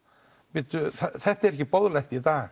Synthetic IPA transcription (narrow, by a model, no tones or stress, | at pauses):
pɪːt̪ʏθaθɛht̪aɛɾɛhcɪpɔðlajht̪it̪aɣ